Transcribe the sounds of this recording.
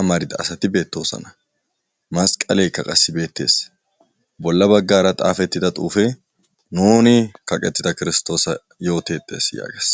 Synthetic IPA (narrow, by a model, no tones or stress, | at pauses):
ɐmɐɾɪd̪ɐːsɐt̪ɪbe̞ːt̪ːo̞ːsɔ̰nɐ | mɐskʼɐleːkːɐkʼɐsːɪbe̞ːt̪ːe̞̰ːs | bɔlːɐbɐɡːaːɾɐt̪ʼa̰ːfɛt̪ːɪd̪ɐt̪ʼuːfɛ | nuːnɪkɐkʼɛt̪ːɪd̪ɐkɪɾɪst̪o̞ːsɐ | jo̞ːt̪e̞ːt̪ʼːe̞ːsja̰ːɡeːs